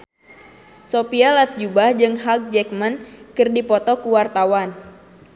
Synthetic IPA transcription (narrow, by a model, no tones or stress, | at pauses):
sopialat̪̚d͡ʒubahd͡ʒɨŋɦak̚d͡ʒɛk̚mankɨrdipɔt̪ɔkuwart̪awan